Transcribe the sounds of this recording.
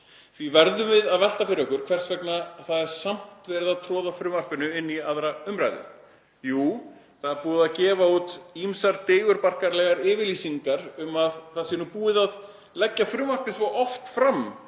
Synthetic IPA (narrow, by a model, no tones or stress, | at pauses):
θvivɛɾðʏmvɪðaðvɛl̥t̪afɪɾɪœhkʏɾ̥kʰvɛr̥svɛknaθaðɛɾ̥sam̥t̪vɛːɾɪðaðt̪ʰɾɔːðafɾʏːmar̥pʏnʏɪnːiaðɾaʏmɾa̰jðʏ̰ | juː | θaðɛɾpuːðaðcɛːvaut̪imsaɾt̪eːjɣʏɾpar̥kaɾlɛɣaɾɪːvɪɾliːsiŋkaɾʏmaðθaðsɪnupuːɪðað | lɛcːafɾʏːmar̥pɪsvowʔɔft̪fɾam